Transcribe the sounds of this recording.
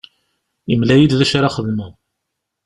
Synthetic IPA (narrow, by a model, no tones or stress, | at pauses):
imlæjid̪ðæʃaɾaχəðməð